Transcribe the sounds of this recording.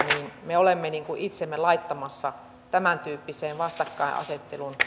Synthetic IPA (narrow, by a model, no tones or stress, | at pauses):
niːnmeolemːeniːŋkuʔit̪semːelɑit̪ːɑmɑsːɑ | t̪æmænt̪yːpːiseːnʋɑst̪ɑkːɑḭʔɑ̰set̪ːelun